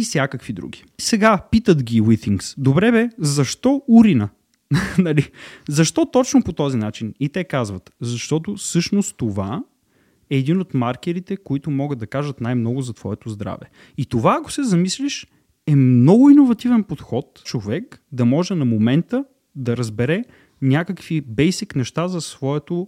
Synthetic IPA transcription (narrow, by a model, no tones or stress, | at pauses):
isʲjakəkvid̪ɾṵɡʲi̥ | sɛɡapit̪ət̪ɡʲiwit̪iŋksd̪obɾɛbɛzɐʃt̪ɔuɾinə | nɐlizɐʃt̪ɔt̪ɔt͡ʃnopot̪ɔzinat͡ʃinit̪ɛkazvɐt̪zɐʃt̪ɔt̪ofsɤʃnostt̪ova̰ | ɛːd̪inot̪maɾkɛɾit̪ɛkoit̪ʊmɔɡəd̪ɐkaʒət̪najmnɔɡʊzɐt̪vɔɛt̪ozd̪ɾa̰vɛ̰ | it̪ovaːko̥sɛzɐmisliʃ | ɛmnɔɡʊinovɐt̪ivɛnpot̪xɔt̪t͡ʃovɛkd̪ɐmɔʒɛnɐmomɛnt̪ə | d̪ɐɾɐzbɛɾɛ | nʲakəkvibɛjsiknɛʃt̪azɐsvɔɛt̪o